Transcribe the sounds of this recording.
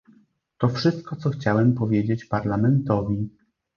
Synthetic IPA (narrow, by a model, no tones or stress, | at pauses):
t̪ɔfʂɘst̪̚kɔt̪sɔxt͡ɕawɛmpɔvʲjed͡ʑet͡ɕpaɾlamɛnt̪ɔvʲi